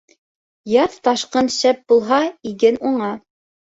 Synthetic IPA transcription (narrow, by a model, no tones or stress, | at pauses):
jɑθt̪ɑʃqɤnʃæp̚bulˠɦɑiɡɘnuɴɑ